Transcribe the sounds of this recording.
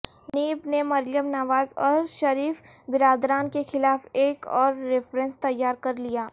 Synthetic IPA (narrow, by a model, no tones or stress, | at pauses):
niːbnemɐɾjəmnɐʋaːzɔːɾʃɐɾiːfbɪɾaːd̪ɾaːnkexɪlaːfeːkɔːɾːɪfɾə̃nst̪ɐjːaːɾkɐɾlijaː